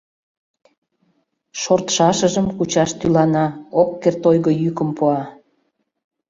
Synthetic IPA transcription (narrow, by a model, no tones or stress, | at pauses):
ʃort̪ʃɑʃəʒəmkut͡ɕɑʃt̪ylɑnɑokːert̪ojɣəjykəmpuɑ